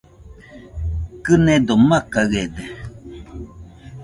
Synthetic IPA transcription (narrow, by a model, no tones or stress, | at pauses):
kɨned̪omakaɣed̪e